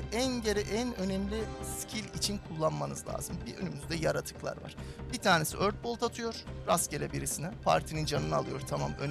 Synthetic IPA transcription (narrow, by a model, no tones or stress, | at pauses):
ænɟeɾɛʔænønɛmlʲiscʰilʲit͡ʃʰinkʰulˠːanmanɯzlʲa̰ːzɯmbiø̰nymyzd̪ɛjaɾat̪ʰɯ̥klˠa̰ɾva̰ɾ̥b̥it̪ʰaːne̞siʔø̞ɾt̪̚bo̞lˠt̪ʰat̪ʰɯjo̞ɾ̥ɾasɟe̞lʲɛbiɾisinɛpʰa̰ɾt̪ʰinind͡ʒanɯnɯalˠɯjo̞ɾt̪ʰama̰møn